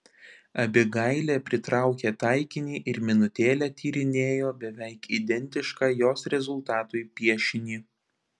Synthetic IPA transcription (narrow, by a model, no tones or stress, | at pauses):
ɐbʲɪɡɐɪlʲeːpʲɾʲɪt̪ɾɑˑʊkʲeːt̪ɐɪkʲɪnʲiːʔɪɾmʲɪnʊt̪ʲeːlʲɛːt̪ʲʰiːɾʲɪnʲeːjoːbʲɛʋʲɛɪkiːd̪ʲɛnʲt̪ʲɪʃkɑːjoːsɾʲɛzʊlˠt̪ɑːt̪ʊɪpʲiɛʃʲɪnʲiː